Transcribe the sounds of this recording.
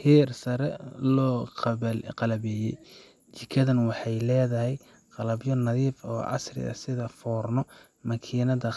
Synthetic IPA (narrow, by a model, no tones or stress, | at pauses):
hiːrsɐɾɛlɔːqqɑlɐβɛːjɛj | t͡ʃɪkʰɐðɐnwɑħɑjlɛːðɐɦɛj | qɑlɐbjɔnɐðiːfɔ̰ːʔɑ̰srɪ̰ɣɐ̰sɪðɐfɔːrnɔ | mɐkʰiːnɐðɐ